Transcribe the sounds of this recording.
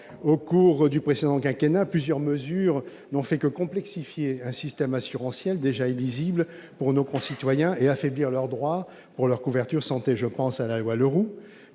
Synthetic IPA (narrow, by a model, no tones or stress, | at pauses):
okuʁd̪ypχesed̪ɑ̃kɛ̃kenaplyzjœʁməzyʁ | nɔ̃fɛkəkɔ̃plɛksifjeɛ̃sist̪ɛmasyʁɑ̃sjɛld̪eʒailizibl | puʁnokɔ̃sit̪wajɛ̃eafebliʁlœʁd̪ʁwa | puʁlœʁkuvɛʁt̪yʁsɑ̃t̪eʒəpɑ̃salalwaləʁu